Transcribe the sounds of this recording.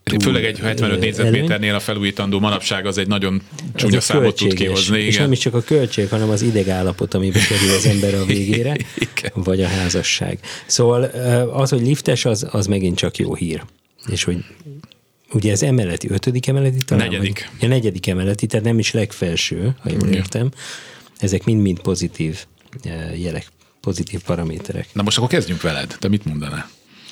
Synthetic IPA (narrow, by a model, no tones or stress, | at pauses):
føːlɛɡɛɟhɛt̪vɛnøt̪eːzɛmeːɛrneːlɒfɛluːjiːt̪ɒnd̪oːmɒnɒpʃaːɡɒzɛɟnɒɟo̞n | t͡ʃaølttt͡ʃ̪ːueːɡkɛʃzniieːʃnɛmiʃt͡ʃɒkɒkølt͡ʃeːɡhɒnɛmɒzid̪ɛɡaːlːɒpo̞t̪ɒmibɛkɛɾylɒzɛmbɛɾɒveːɡeːɾɛ̥vɒɟɒɦaːzɒʃːa̰ːɡsoːvɒlːɒsho̞ɟlift̪ɛʃɒzɒzmɛɡint͡ʃɒkjo̰ːhiːr | eːʃho̞ɟ | uɟɛːzɛmɛlːɛt̪iøt̪ød̪ikɛmɛlːɛt̪it̪ɒɛikɒnɛɟɛd̪ikɛmɛlːɛt̪it̪aːt̪nɛmiʃlɛkfɛlʃøːhɒ̰jo̰ːleːrt̪ɛm | ɛzɛkmind̪mint̪po̞zit̪ʰiːv | jɛlɛk | po̞zit̪iːfpɒɾɒmeːt̪ɛɾɛ̰knɛmoʃt̪ɒkːoɾkɛzɟyŋkʋɛlɛ̰d̪t̪ɛmit̪mond̪ɒna̰